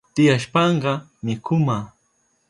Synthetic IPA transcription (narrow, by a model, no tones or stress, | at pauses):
t̪ɪjaʃpɑɴɢɑ | mɪkʰʊma